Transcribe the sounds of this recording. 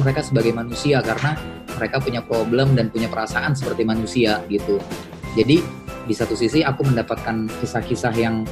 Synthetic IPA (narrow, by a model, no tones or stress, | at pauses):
məɾekasəbaɡajmanusiakaɾəna | məɾekapuɲapɾoblɛmdanpuɲapəɾasaʔans̬əpərt̪imanusiaɡit̪u | d͡ʒadidisat̪usisiakuməndapat̪̚kankisahkisaɦjaŋ